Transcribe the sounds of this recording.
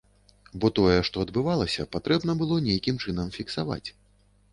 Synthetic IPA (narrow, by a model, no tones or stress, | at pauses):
bɔt̪ɔjɛʂt̪ɔɐd̪bɨvalˠɐsʲɐpat̪ɾɛbn̪ɐbɨlˠɔnʲejkʲimt͡ʂɨnɐmfʲiksava̰t͡sʲ